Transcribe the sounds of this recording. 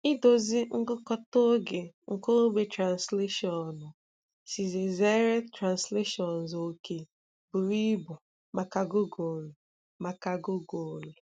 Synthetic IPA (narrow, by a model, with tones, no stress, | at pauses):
ɪ˦do˨zi˦ŋ̩˦ɡʊ˦kɔ˦to˦ɡe˨ | ŋ̩˨ko˦ɡ͡be˨tɾa˨nsle˦ʃɔ˨nʊ˨ | si˨ze˨ze˦ɾe˦tɾa˨nsle˦ʃɔ˨n̩˨zo˨˦ke˨ | bʊ˨ɾi˦bʊ˨ | ma˨ka˨ɡo˦ɡo˨lʊ˨ | ma˨ka˦˨ɡʊ˦ɡo˨lʊ˨